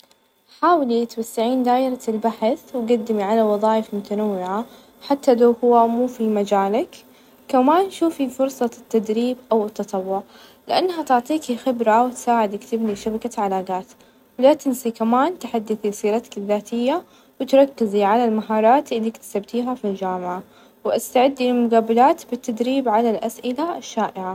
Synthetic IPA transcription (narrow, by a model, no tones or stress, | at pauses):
ħaːwlit̪wasːaʕiːnd̪aːʔɪɾalbaħɪθwɡad̪ːɪmiʕalawɑðˤɑːjɪfmʊt̪anawːɪʕa | ħat̪ːalawhʊwːamuːfimad͡ʒaːlak | kamaːnʃuːfifʊɾsˤɑt̪ːad̪ɾiːbʔawɪt̪ːɑt̪ˤɑwːʊʕ | lɪʔanːɦat̪ɪʕt̪ˤiːkixɪbɾawt̪saːʕɪd̪ɪkt̪ɪbniʃabakaʕalaːɡaːt̪ | wɪlaːt̪ɪnsikamaːnt̪ħad̪ːɪθisˤiːɾˤɑt̪ḁkɪðːaːt̪ɪjːa | wɪt̪ɾˤɑkːɪziʕalalmaɦɑːɾˤɑːt̪ʔɪlːikt̪sabt̪iːɦafild͡ʒaːmɪʕa | wʔast̪aʕɪd̪ːilmʊɡaːbalaːt̪bɪt̪ːad̪ɾiːbʕalalʔasʔɪlaʃːaːʔɪʕa